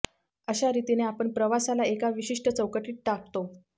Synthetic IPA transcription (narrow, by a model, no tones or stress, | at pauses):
əɕaɾit̪ineapəɳpɾəʋasalaekaʋiɕiʂʈət͡səwkəʈiːʈ̚ʈak̚t̪o